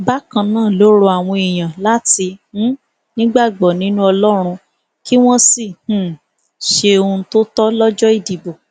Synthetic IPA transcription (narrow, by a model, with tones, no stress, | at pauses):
ba˦kã˧nãː˦˨lo˨˦ɾo˧a˨w̃ɔ̃˧i˨j̃ã˨la˦ti˧ũ˦ | nĩ˦ɡ͡ba˦˨ɡ͡bɔ˨nĩ˨˦nũ˦ɔ˧lɔ˦ɾ̃ũ˧ | ki˦w̃ɔ̃˦si˦˨h̩˦˨ | ʃe˧o˧ũ˧to˦tɔ˦lɔ˦d͡ʒɔ˦i˦˨di˨bo˨